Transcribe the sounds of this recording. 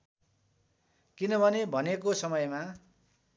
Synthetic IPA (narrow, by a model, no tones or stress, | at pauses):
kinʌbʱʌnebʱʌnekosʌmʌjma